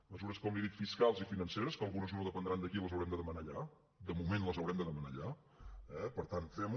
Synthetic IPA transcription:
məzuɾəskɔmliðit̪fiskalˠzifinənseɾəskəlˠɣunəznoðəpənd̪ɾand̪əkiləzəwɾɛmd̪əðəmənaːʎa | d̪əmumenləzəwɾɛmd̪əðəməna̰ʎa | ɛpəɾt̪anfɛm

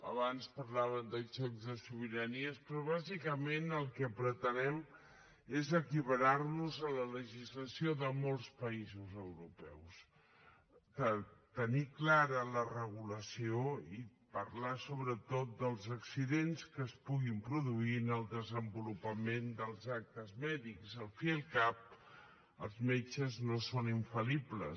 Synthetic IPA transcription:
əβanspəɾlaβəmd̪ət͡ʃɔkzðəsuβ̞iɾəniəspɾɔβ̞azikəmenəlˠkəpɾət̪ənɛm | ezəkiβəɾarnuzələləʒizləsijoðəmolˠspəizuzəwɾupɛ̰ws | t̪ət̪əniklaɾələrəɣuləsioipəɾlasoβɾət̪ot̪̚d̪əlˠzəksiðenskəːspuɣimpɾuðuinəlˠd̪əzəmbulupəmend̪əlˠzak̚t̪əzmɛðikzəlˠfiəlˠkap̚ | əlˠzmet͡ʃəznosoniɱfəliblə

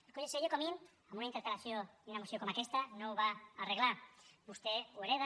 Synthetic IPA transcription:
elkoɲeseʝokomin | amunaint̪eɾkalaθjod̪unamosjokomakest̪anoβaaːreɣlabust̪eweɾeð̞a

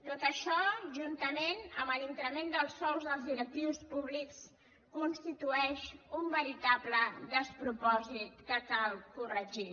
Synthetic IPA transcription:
t̪ot̪əʃɔʒunt̪əmenəməlint̪ɾəmend̪əlˠsɔlˠzðəlˠzðiɾək̚t̪iwspuβliks | kunst̪it̪uɛʃumbəɾit̪abləd̪əspɾupɔzit̪̚kəkalˠkurəʒi

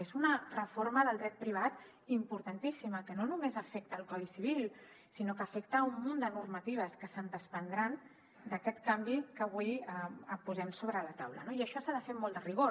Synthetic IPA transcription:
ezunərəforməðəlˠd̪ɾɛt̪̚pɾiβ̞at̪ | impuɾt̪ant̪isiməkənonumezəfɛk̚t̪əːlˠkɔðisiβ̞ilˠ | sinokəːfɛkt̪əumːund̪ənurmət̪iβ̞əskəsənd̪əspənd̪ɾan | d̪əkɛt̪kambikəβ̞ujəəpuzɛmsoβɾələt̪a̰wlə̰noiəʃɔsaðəfemɔlˠd̪əriɣ̞o

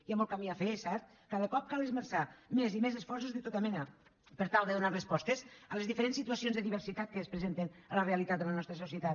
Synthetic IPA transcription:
iamɔlˠkamiafesɛɾt̪̚ | kaðəkɔp̚kalˠezməɾsamezimezəsfɔɾsuzðət̪ot̪əmɛnə | pəɾt̪alˠd̪əðunarəspɔst̪esəlezðifəɾensit̪uəsionzðəðiβəɾsit̪at̪̚kəːspɾəzent̪enələreəlit̪at̪̚d̪ələnɔst̪ɾəsusiət̪at̪̚

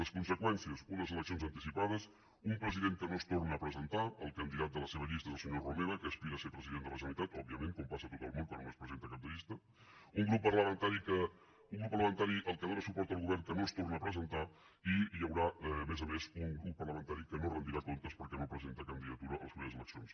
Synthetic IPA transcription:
ləskunsəkwɛnsiəzunəzələksijonzənt̪isipað̞əs | umpɾəziðeŋkənost̪ornəːpɾəzənt̪aəlˠkənd̪iðat̪̚d̪ələseβ̞əʎist̪əezəlˠsəɲorumeɾəkəːspiɾəsepɾəziðend̪ələsənit̪at̪ɔb̚iəmẽŋkompasət̪ot̪əlˠmonkwa̰noospɾəzent̪əkap̚d̪əʎist̪ə | uŋɡɾupːərləmənt̪aɾikə | uŋɡupːəɾrləmənt̪aɾiʔəlˠkənðɾasupɔɾt̪əːlˠɣuβɛrŋkənost̪ornəːpɾəzənt̪a | iʎəwɾaːmɛzəmezuŋɡɾupːərləmənt̪aɾikənorənd̪iɾakont̪əspəɾkɛnopɾəzent̪əkənd̪iðət̪uɾəʔə̰lˠəzmeβzəlˠəksijons

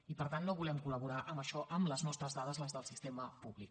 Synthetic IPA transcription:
ipəɾt̪anːoβulɛmkuləβuɾaʔəmbəʃɔʔəmləznɔst̪ɾəzðaðəzləzðəlˠsist̪eməpuβlik

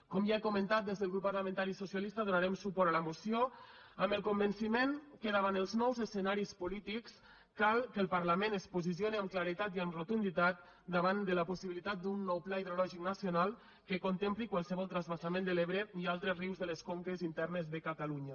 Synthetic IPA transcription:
kɔmʒaekumə̃nt̪at̪̚d̪ezðəlˠɣɾupːarləmə̃nt̪aɾisusialist̪aðunaɾɛmsupɔɾalamosijo | əmbəlˠkombənsimenkəðaβanəlˠznɔwzəsənaɾispulit̪iks | kalˠkəlˠpəɾlamenəspuzisjoniəmklaɾit̪at̪iəmrot̪und̪it̪at̪̚ | d̪əβand̪əlapusiβilit̪at̪̚d̪unːɔwplaiðɾolɔʒiknasionalˠ | kəkont̪emplikwalˠsəβɔlˠt̪ɾazβasamẽnd̪əleβɾeialˠt̪ɾəriwzðələskoŋkezint̪ɛrnəzðəkat̪aluɲə

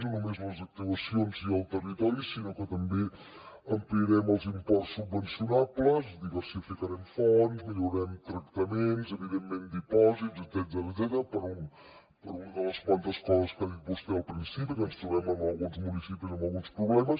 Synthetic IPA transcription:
unəmezmɐlˠzɐk̚t̪ivɐsjonsialt̪ərit̪ɔɾisinɔkət̪ɐmbe | ɐmpliɾɛmalˠzimpɔɾt̪subːənsjunabləzd̪iβəɾsifikaɾɛmfɔnzmiʎuɾɛmt̪ɾɐkt̪ɐmenzeβiðemːend̪ipɔzit̪zezɛt̪zɛəzɛt̪əɾəpəɾun | pəɾunɐðələsmant̪ɐskɔzəskaipust̪ɛalˠpɾinsipikənst̪ɾuβɛməmɐlˠɣunzmunisipizəmɐlˠɣunspɾuβlɛmɐs

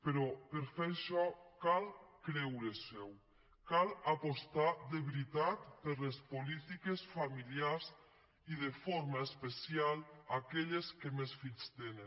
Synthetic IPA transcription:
peɾɔpeɾfeɾʃɔkalkɾɛwɾesɛw | kalapost̪ad̪eβɾit̪at̪peɾlespolit̪ikesfamiliaɾz | iðefoɾmaespesialakɛʎeskemesfiʎst̪ene

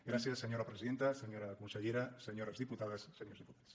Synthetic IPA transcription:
ɡɾasjasːeɲoɾapɾesiðent̪aseɲoɾakunseʎeɾaseɲoɾazðiput̪aðasːeɲoɾzðiput̪aðs

